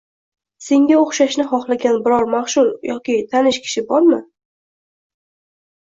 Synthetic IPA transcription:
se̞ŋɡʲaoχʃaʃnɪχɒχlˠaɡʲanbɪɾɒɾmaχʃʊljɒkʲɪt̪ʰanɪʃkʲʰɪ̥ʃɪbɒɾmɪ

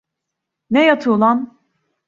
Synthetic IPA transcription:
nɛjat̪ʰulˠan

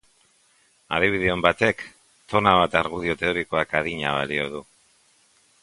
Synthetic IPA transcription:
að̞iβ̞iðeombat̪e̞k | t̪o̞naβ̞at̪aɾɣuðio̞t̪e̞o̞ɾiko̞akaðiɲa̰β̞a̰lioðu

